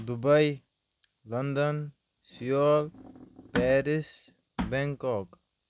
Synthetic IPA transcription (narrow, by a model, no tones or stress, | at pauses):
d̪ubɐj | lɐnd̪ən | sijoːlpɛːɾis | bɛŋkɔk